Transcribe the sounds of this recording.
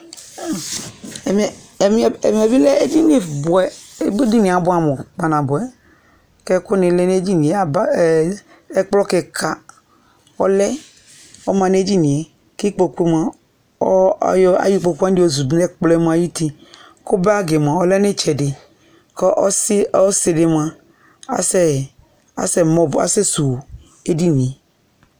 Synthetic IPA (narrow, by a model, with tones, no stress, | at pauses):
m˨m˦˨e˨mi˨a˨bi˦lɛ˦e˦d͡ʒi˦ne˨bʊ˨ɛ˨e˦be˦di˦ni˨a˨bʊ˦a˨mo˨k͡pa˨nã˨bo˨ɛ˨ | kɛ˦ko˦ne˨lɛ˦ne˦d͡ʒi˦nĩ˨e˨a˨ba˦˨ | ɛ˦k͡plɔ˦ke˨kʰa˨ | ɔ˦lɛ˦ | ɔ˦mã˨ne˦d͡ʒi˦nĩ˨ɛ˨ | ki˦k͡po˨ku˦e˦ma˨ | ɔ˦jɔ˦a̰˨ji˦k͡po˧ka˦i˦o˨zu˨dnɛ˦k͡plɔ˦ɛ˦m˦˨a˨ji˦t̪i˦ | ko˦be˦a˦ɡe˨m˨ã˨ɔ˦lɛ˦ne˦t͡ʃɛ˨dɪ˨ | kɔ˦ʔsɔ˦se˨de˨mã˨ | a̰˨˦sɛ˦ | a̰˦sɛ˦mɔ˦ba̰˨sɛ˦su˨w | e˦di˦nĩ˨